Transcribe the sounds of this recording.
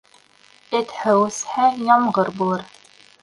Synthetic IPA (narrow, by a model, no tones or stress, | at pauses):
etħəwsħajamʁərbr